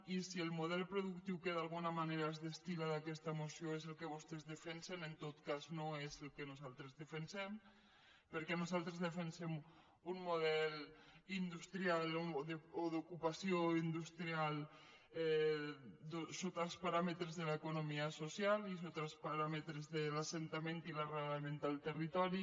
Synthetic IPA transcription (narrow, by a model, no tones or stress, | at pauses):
isielˠmuðɛlˠpɾoðukt̪iwkeðalˠɣunamaneɾaezðest̪ilaðakɛst̪amosioezelˠkeβost̪ezðefɛnsenent̪ot̪kaznoezelˠkenuzalˠt̪ɾezðefensɛm | pəɾkɛnuzalˠt̪ɾezðefensɛm | unmuð̞ɛlind̪ust̪ɾialoðeoðokupasjoind̪ust̪ɾial | ɛ | d̪osot̪alˠspaɾamet̪ɾezðelaekonomiasosjalisot̪alˠspaɾamet̪ɾezðelasent̪amẽnt̪ilareɣlamẽnt̪alˠt̪erit̪ɔɾi